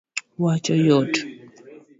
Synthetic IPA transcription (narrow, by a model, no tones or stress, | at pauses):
wat͡ʃɔjɔt